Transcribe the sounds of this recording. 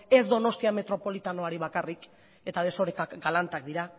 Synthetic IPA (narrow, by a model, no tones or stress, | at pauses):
e̞zd̪o̞no̞st̪iame̞t̪ɾo̞po̞lit̪anoaɾiβakarik | e̞t̪að̞e̞so̞ɾekakɡalant̪akd̪iɾa